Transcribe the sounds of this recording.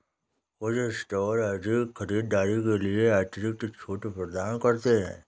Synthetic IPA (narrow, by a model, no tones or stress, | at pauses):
od͡ʒesʈɔːɾaːɾʈixʰɐɾiːd̪̚ːaːɾikelieaːɾʈɪʈɪk̚ʈekt͡ʃʰoːʈepɾəd̪aːnkɐɾt̪eɦɛ̰̃ː